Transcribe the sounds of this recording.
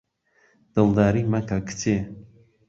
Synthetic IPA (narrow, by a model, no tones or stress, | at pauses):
d̪̥ɨlˠd̪aːɾimɐkʰɐkʰt͡sʰe